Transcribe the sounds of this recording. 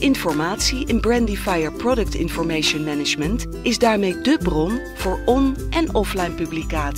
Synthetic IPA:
ɪnfɔɹmaːtsiʔɛnbrɛndifajəɹprɔdək̚tɪ̰nfɔɹmejʃənmɛnɪd͡ʒmənt | ɪzdaːɹmejdəbrɔn | v̥ʊːɹɔnʔɛnɔflajnpyblikaːt

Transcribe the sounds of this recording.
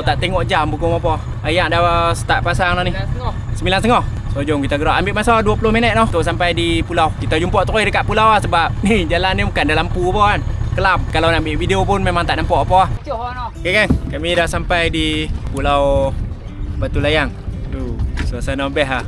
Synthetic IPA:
t̪aʔt̪eŋɔʔd͡ʒambukʊmapɔ | ajaʔdasə̥t̪aʔpasaŋnɔni | səmilanst̪əŋɔh | sod͡ʒɔŋkit̪aɡəɾaʔambɪʔmasawduapulʊhminət̪̚nɔht̪oʔs̬ampajdipulawkit̪ad͡ʒumpɔʔt̪əɾidəkaʔpulawahsəbap̚nihd͡ʒalanːimukandalampupɔankəlap̚kalawnambɪʔvideopʊnmemaŋt̪aʔnampɔʔpɔahnɔkakankamidahsampajdipulaw | bat̪ulajaŋt̪usuasanabɛɦah

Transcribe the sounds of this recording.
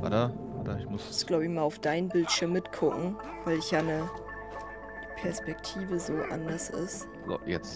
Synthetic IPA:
va̰tɐvatɐɪçmʊssɡ̥laʊbɪçmaːlaʊfd̥aɪnbɪltʃɪɐmːɪtkʰʊkŋ̩ | v̥aɪlɪçjaːnə | d̥pʰɛɐspɛk̚tʰiːvəzoːʔa̰ndɐsɪ̰st | zo̰jɛt͡s

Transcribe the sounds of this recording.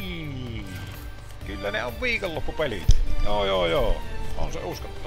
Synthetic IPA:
kylːæneoʋʋiːkolːopːupelḭt̪æjoːjoːjoːo̰nsḛuskɑt̪ːɑ

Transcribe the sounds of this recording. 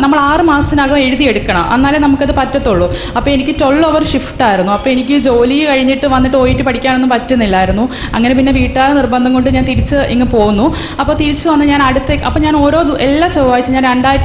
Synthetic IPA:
nɐmːɐɭaːrɨmaːsinaːɣume̞ɻuðije̞ɽukːɐɳɐ̰mʔɐ̰nːaːlenɐmukːɐðɨpɐtːɐt̪ːoɭːu | ɐpːoːenikʲːɨto̞ɭːoʋɐrʂifʈaːjiɾunːuɐpːoːe̞nikʲːɨd͡ʑo̞ːlijkɐɻiɲːiʈːɨʋɐnːiʈːɨo̞ːjiʈːɨpɐʈʰikʲːaːɳenːupɐtːɐnːilːaːjiɾunːu | ɐŋːɐnep̬inːe̞ʋiːʈːaːɾɐnirbɐnd̪ʱɐŋko̞ɳɖɨɲaːnt̪iɾit͡ɕːɨʔiŋːɐpo̞ːɣunːu | ɐpːo̞ːt̪iɾit͡ɕːɨʋɐnːɨɲaːnɐɽut̪ːeɐpːoːɲaːno̞ːɾo̞ːd̪ʔelːaːt͡ɕoʋaːjit͡ɕːɨɲaːnɾeɳɖaːji

